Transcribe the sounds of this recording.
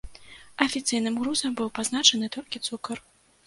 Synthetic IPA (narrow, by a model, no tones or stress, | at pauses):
ɐfʲit̪sɨjnɨmɣɾuzɐmbɨwpaznat͡ʂɐnɨt̪ɔlʲkʲit̪sukɐr